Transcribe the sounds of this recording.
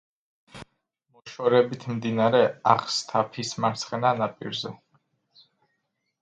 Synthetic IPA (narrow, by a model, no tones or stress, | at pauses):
mɔʃɔɾɛbit̪ʰmd̪inaɾɛaχst̪ʰapʰismaɾt̪sʰχɛnanapʼḭɾzɛ